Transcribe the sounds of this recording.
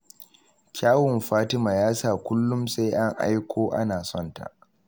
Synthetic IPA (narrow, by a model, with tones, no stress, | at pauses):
kʲaː˦wʊ˨mɸaː˦tɪ˦maː˨jaː˦saː˨kʷʊ˦lːʊ˦mse˦jʔa˦ŋʔa̰˦jkʷʰoː˦ʔa̰˦naː˨sɔ˦˨nta̰˨ʔ